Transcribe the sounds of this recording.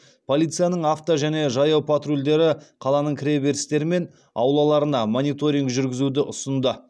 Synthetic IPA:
pʰo̞lʲˠijt̪sɨjanəɴaft̪oʒæne̞ʒɑjɑwpʰat̪rulʲd̪e̞ɾɪqʰɑlˠɑnəɴkʲʰɾʲejbe̞ɾst̪e̞ɾɪme̞n | ɑ̰wlˠɑlˠɑɾənɑmo̞nijt̪o̞ɾʲiŋkʒʏɾɡʲɪzud̪ɪʔʊsənd̪ə

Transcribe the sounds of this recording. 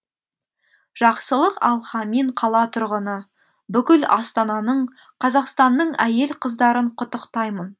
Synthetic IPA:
ʒ̥ɑqsəlˠəqɑ̰lˠχɑmiɴqʰɑlˠɑt̪ʰʊɾʁənə | bʏkʲɪlɑ̰st̪ɑnɑnəɴ | qʰɑzɑqst̪ɑnːəɴæje̞lqʰəzd̪ɑɾəɴqʰʊt̪əqt̪ɑjmən

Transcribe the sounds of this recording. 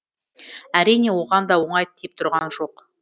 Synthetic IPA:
æɾijne̞wo̞ʁɑnd̪ɑwo̞ɴɑjt̪ʰːep̚t̪ʰʊɾʁɑnʒo̞q

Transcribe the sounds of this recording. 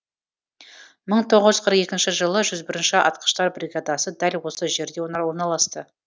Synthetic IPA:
məɴt̪ʰo̞ʁəzʒʏzqʰəɾəqe̞kʲɪnʃɪʒəlˠəʒʏzbɪɾɪnʃɪʔɑ̰t̪̚qə̥ʃt̪ɑɾbɾʲiɡad̪ɑsəd̪ælwo̞səʒe̞ɾd̪ewonwo̞ɾnɑlˠɑst̪ə

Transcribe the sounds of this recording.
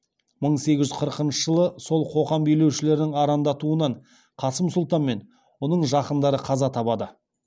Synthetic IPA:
məɴse̞ɡʲɪʒʏzqʰəɾəqənʃəʒəlˠəso̞lˠqʰo̞ʁɑmbejle̞wʃɪle̞ɾɪnɪŋɑɾɑnd̪ɑt̪uənɑɴ | qʰɑsəmsʊlˠt̪ɑnme̞n | wonəɴʒɑqənd̪ɑɾəqʰɑzɑt̪ʰɑpɑd̪ə

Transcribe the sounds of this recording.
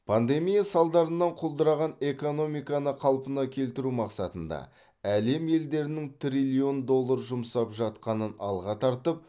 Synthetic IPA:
pʰand̪e̞mijasɑlˠd̪ɑɾənːɑɴqʰolˠd̪əɾɑʁɑne̞ko̞no̞mijkɑnəqʰɑlˠpənɑkʲʰe̞lt̪ɪɾumɑqsɑt̪ənd̪ɑ̰ | æle̞mje̞ld̪e̞ɾɪnɪŋt̪ɾʲilʲio̞nd̪o̞lˠːɑɾʒʊmsɑpʒɑt̪̚qɑnənɑ̰lˠʁɑt̪ʰɑɾt̪əp̚

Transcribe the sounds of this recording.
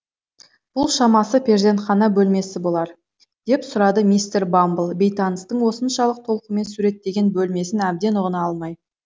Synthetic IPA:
b̥ʊlˠʃɑmɑsəpʲʰeɾzʲd̪e̞nt̪χɑnɑbɵlme̞sɪbo̞lˠɑɾ | d̪̥e̞psʊɾɑd̪əmijst̪eɾbambəlˠbe̞jt̪ɑnəst̪əɴwo̞sənʃɑlˠəq̚t̪ʰo̞lˠqəme̞nsuɾe̞t̪ːe̞ɡʲe̞nbɵlme̞sɪnæb̚d̪e̞nʊʁənɑɑlˠmɑj

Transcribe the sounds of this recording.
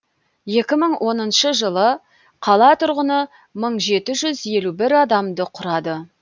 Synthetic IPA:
je̞kʲɪməɴwʔo̞nənʃəʒəlˠə | qʰɑlˠɑt̪ʰʊɾʁənə | məɴʒe̞t̪ɪʒʏzje̞lubɪɾɑd̪ɑmd̪əqʰʊɾɑd̪ə

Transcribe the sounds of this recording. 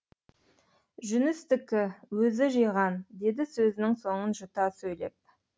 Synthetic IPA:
ʒʏnɪst̪ɪkʲːɪwɵzɪʒijʁɑnd̪e̞d̪ɪsɵzɪnɪŋso̞ɴənʒʊt̪ɑsɵjle̞̰p̚

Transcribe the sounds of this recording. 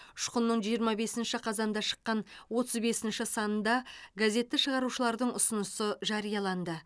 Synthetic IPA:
ʊʃqənːəɴʒijəɾmɑbe̞sɪnʃɪqʰɑzɑnd̪ɑʃə̥qːɑnwo̞t̪əzbe̞sɪnʃɪsɑnənd̪ɑɡaze̞t̪ːɪʃəʁɑɾuʃəlˠɑɾd̪əɴʊsʊnəsəʒɑɾijɑlˠɑnd̪ə

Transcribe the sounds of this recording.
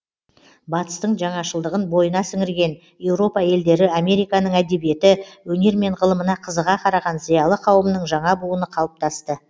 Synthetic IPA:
bɑt̪ə̥st̪əɴʒɑɴɑʃəlˠd̪əʁənbo̞jənɑsʏŋɪɾɡʲe̞n | je̞wɾo̞pɑje̞ld̪e̞ɾɪame̞ɾijkɑnəɴæd̪e̞bije̞t̪ɪwɵne̞ɾme̞ɴʁəlˠəmənɑqʰəzəʁɑqʰɑɾɑʁɑnzijɑlˠəqʰɑwəmnəɴʒɑɴɑbulˠənəqʰɑlˠəp̚t̪ɑst̪ə

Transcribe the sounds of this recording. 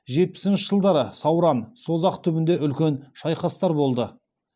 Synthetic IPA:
ʒe̞t̪̚pɪ̥sɪnʃəʒəlˠd̪ɑɾəsɑwɾɑnso̞zɑqt̪ʰʏbɪnd̪e̞ʔʏlkʲe̞nʃɑjqɑst̪ɑɾbo̞lˠd̪ə

